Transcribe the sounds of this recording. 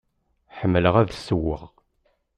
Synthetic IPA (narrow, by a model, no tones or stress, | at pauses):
ħəmːələʁæðsːəwːə̰ʁ